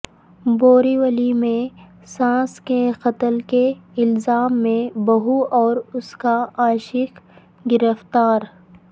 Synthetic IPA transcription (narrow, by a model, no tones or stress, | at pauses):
boːɾiwəlimẽ | sãːskexɐt̪əlkeɪlzaːmːẽbɐɦuʔɔːɾʊskaaːʃɪk | ɡɪɾəft̪aːɾ